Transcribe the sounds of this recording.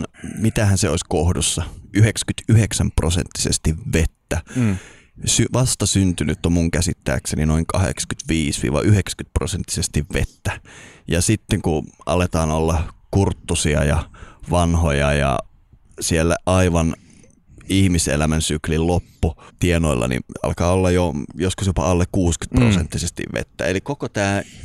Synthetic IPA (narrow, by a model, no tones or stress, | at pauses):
nmit̪æhænseoisʲkohdusːɑyhekskyt̪yheksæmprosḛnt̪ːi̥sḛst̪iʋʋet̪ːæ | syʋɑst̪ɑsynt̪ynyt̪ːomuŋkæsit̪ːæ̰ːkseninoiŋkɑhḛksɑ̥kyt̪ʋiːsʋḭːʋɑ̰ʔyheksæ̥kyt̪̚prosent̪ːi̥sest̪iʋʋet̪ːæjɑsit̪ːeŋkuʔɑlet̪ɑːnolːɑkurt̪ːusiɑjɑʋɑnhojɑjɑ̰ | sielːæʔɑiʋɑn | ihmisḛlæmænsyklillopːut̪ienoilːɑ̰nḭɑ̰lkɑːolːɑjojoskusjopɑ̰ɑlːekkuːsky̥t̪̚prosḛnt̪ːisest̪ḭʋʋḛt̪ːæ̰elikokot̪æː